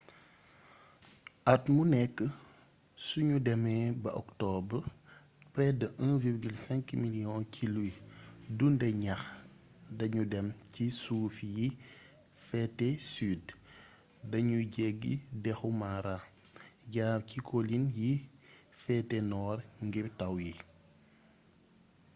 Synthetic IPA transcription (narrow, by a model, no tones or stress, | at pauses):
ʔɐtmunɛkːə | suɲudɛmɛbɐʔɔktɔb | pɾɛdəʔə̃viɾɡilsɛ̃ŋkmilijɔ̃kʰilujdundɛɲɐx | dɐɲudɛmcisuːfiji | fɛtɛsyːd | dɐɲuɟɛɡːḭdɛxumaɾa | ɟaːcikʰolinji | fɛtɛnɔːrŋɡiɾtɐwji